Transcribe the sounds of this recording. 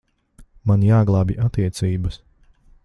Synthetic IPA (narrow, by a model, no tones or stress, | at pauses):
manjaːɡlˠaːbʲiʔat̪iɛt̪siːbəs